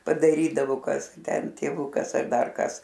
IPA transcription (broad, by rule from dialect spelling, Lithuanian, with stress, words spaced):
pɐdɐˈrʲiːdɐʋoː ˈkɐs ɡʲɪ ˈtʲɛn tʲeːˈʋʊkɐs ɐr ˈdɐr ˈkɐs